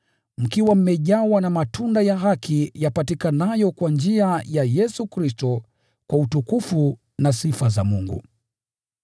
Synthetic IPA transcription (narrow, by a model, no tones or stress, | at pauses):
m̩kiwam̩mɛʄawanamatundajaɦakijapatikanajɔkwand͡ʒiajajɛsukɾistɔ | kwautukufu | nasifazamuŋɡṵ